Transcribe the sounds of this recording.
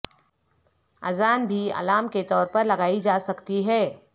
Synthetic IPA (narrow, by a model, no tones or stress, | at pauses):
ɐ̰zaːnbʱiɐ̰laːmket̪ɔːɾpɐɾlɐɡaːid͡ʒaːsɐkt̪iɦɛː